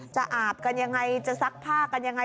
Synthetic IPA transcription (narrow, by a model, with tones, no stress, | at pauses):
t͡ɕa˨˩ʔaː˨˩p̚ka˧nja˧ŋːa˧jt͡ɕa˨˩sa˦˥k̚pʰaː˥˩ka˧nja˧ŋːa˧